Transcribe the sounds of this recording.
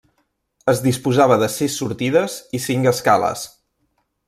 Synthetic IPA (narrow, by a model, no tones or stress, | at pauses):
əzðispuzaβəðəsisːuɾt̪iðəzisiŋkəskalə̰s